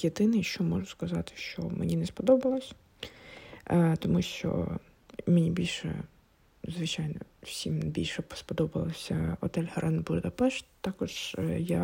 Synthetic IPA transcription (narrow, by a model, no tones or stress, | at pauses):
jed̪ɪnɪjʃt͡ʃɔmɔʒʊskɐzɑt̪ɪ̥ʃt͡ʃɔ̰menʲinɛspɔd̪ɔbɐlˠɔsʲ | t̪ɔmuʃt͡ʃɔ̰ | menʲibʲilʲʃɛ̰ | zʋɪt͡ʃɑjnɔ̰wsʲimbʲilʲʃɛpɔ̥spɔd̪ɔbɐlˠɐsʲɐ̰ɔt̪ɛlʲhɐɾʔɛnbuɾd̪ɐpɛʃt̪ɑkɔʒ̥ja